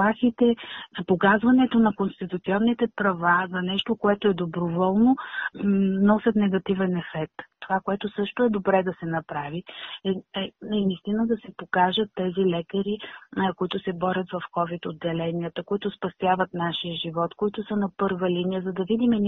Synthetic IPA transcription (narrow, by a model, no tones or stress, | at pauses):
axit̪ɛpokazvɐnɛt̪onɐkonst̪it̪ut̪siɔnːit̪ɛpɾɐvazɐnɛʃt̪okoɛt̪oɛd̪obɾovɔlˠno | nɔsʲət̪nɛɡɐt̪ivɛnɛfɛk̚t̪ːovakoɛt̪ʊsɤʃt̪oɛd̪obɾɛd̪ɐsɛnɐpɾaviɛɛnist̪inəd̪ɐsɛpokaʒət̪ːɛzilɛkəɾikoit̪ʊsɛbɔɾʲət̪vɐfkɔvit̪od̪ːɛlɛniət̪əkoit̪ʊspɐst̪javət̪naʃijəʒivɔt̪koit̪ʊsənɐpɤɾvəlinijəzɐd̪ɐvid̪imɛ